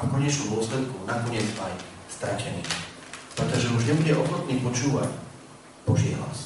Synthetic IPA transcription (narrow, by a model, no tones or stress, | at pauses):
akɔɲɛt͡ʃnud̪ɔslɛt̪̚kunakɔɲɪɛd͡zaj | st̪ɾacɛniː | pɾɛt̪ɔʒɛuʒɲɛbuɟɛʔɔxɔt̪̚niːpɔt͡ʃuːʋac | b̥ɔʒḭɦla̰s